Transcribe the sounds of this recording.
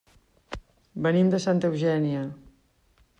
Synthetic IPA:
bənimd̪əsant̪əəwʒɛniə

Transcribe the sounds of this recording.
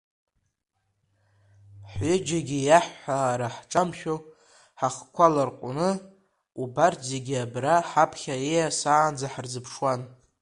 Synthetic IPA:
ħʏd͡ʒaɡʲijaħːaɾaħʈ͡ʂʼamʃʲᶣo | ħaχkʷʰalarqʷʼʊ̰nɨ | ubartʰzeɡʲiabraħapʰχʲaejasaːnd͡zaħrzɨpʰʂwan

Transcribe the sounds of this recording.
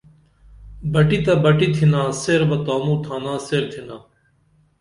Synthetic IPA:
bəʈiːt̪aːbəʈiːt̪ʰɪnãːseːɾbət̪oːmũːt̪ʰãːnãːseːɾt̪ʰɪnaː

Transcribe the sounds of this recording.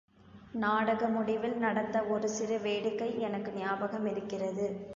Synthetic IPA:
naːɽɐɣɐmʊɽɪʋɪlnɐɽɐt̪ːɐɔɾɯsɪrɐʋeːɽɯkːɐɪɛnɐkːɯnɪjaːbɐɣɐmɪɾɯkːɪrɐðɯ

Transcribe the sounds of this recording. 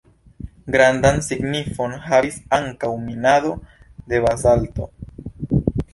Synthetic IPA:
ɡɾandansiɡnifo̞nhavisaŋkawminado̞ | de̞βazalto̞

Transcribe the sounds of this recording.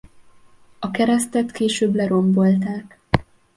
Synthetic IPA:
ɒkɛɾɛst̪ɛt̪keːʃøːblɛɾo̞mbo̞lt̪aːk

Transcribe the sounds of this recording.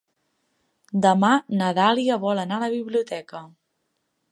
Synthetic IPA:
d̪əmanəðaliəβɔlənaləβiβliut̪ɛkə

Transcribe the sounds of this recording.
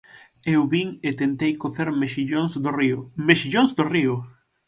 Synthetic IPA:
ewβiŋet̪ent̪ejkoθeɾmeʃiʎozd̪oriʊmeʃiʎoŋzd̪oriʊ

